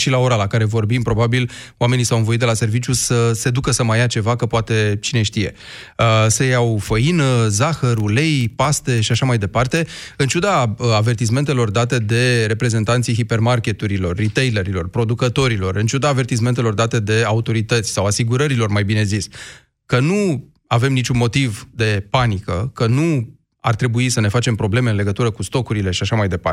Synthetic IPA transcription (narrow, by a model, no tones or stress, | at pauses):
ʃilao̞ɾalakaɾe̞vo̞rbimpɾo̞babiloame̞nisawɨnvo̞it̪d̪elase̞rvit͡ʃjusəse̞d̪ukəsəməjat͡ʃe̞vakəpoat̪e̞t͡ʃine̞ʃt̪ije̞̰ | əsəjawfəinəzaxəɾule̞jpast̪e̞ʃiaʃamajd̪e̞part̪e̞ɨnt͡ʃud̪aəave̞rt̪is̬me̞nt̪e̞lo̞rd̪at̪e̞d̪e̞ɾe̞pɾe̞ze̞nt̪ant̪sijɦipe̞rmarkʲe̞t̪uɾilo̞rːit̪e̞jleɾilo̞rpɾo̞d̪ukət̪o̞ɾilo̞rɨnt͡ʃud̪aːve̞rt̪is̬me̞nt̪e̞lo̞rd̪at̪e̞d̪e̞aut̪o̞ɾit̪ət̪sʲsawasiɡuɾəɾilo̞rmajbine̞zis | kənu | ave̞mnit͡ʃunmo̞t̪ivd̪e̞panikəkənu | a̰rt̪ɾe̞buisəne̞fat͡ʃe̞mpɾo̞ble̞meɨnle̞ɡət̪uɾəkust̪o̞kuɾile̞ʃiaʃamajd̪e̞pa̰